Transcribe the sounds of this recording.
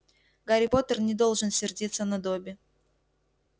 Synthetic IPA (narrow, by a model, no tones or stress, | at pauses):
ɡɐɾʲɪpot̪ərnʲɪd̪o̞lˠʐɨnsʲɪrdʲit̪sːənɐd̪obʲɪ